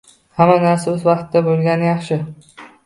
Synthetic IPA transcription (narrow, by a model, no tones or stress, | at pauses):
hamanaɾsaɵzvɑqt̪d̪abolˠɡʲanjɑχʃɪ